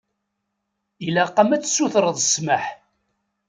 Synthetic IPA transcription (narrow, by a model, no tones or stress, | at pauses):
ilæqɑmæt͡sːsuθɾəðˤəsməħ